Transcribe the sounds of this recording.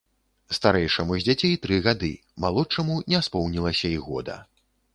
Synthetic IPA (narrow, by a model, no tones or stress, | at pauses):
st̪aɾɛjʂɐmuzʲd͡zʲat͡sʲejt̪ɾɨɣad̪ɨ̰ | malˠɔt͡ʂɐmunʲɛspɔwnʲilˠɐsʲɐiɣɔ̰d̪ɐ̰